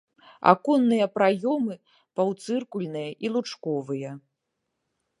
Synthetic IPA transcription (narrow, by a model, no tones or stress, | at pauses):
a̰kɔnːɨjɐpɾajɔmɨ | pawt̪sɨrkulʲnɨjɐʔilˠut͡ʂkɔvɨjɐ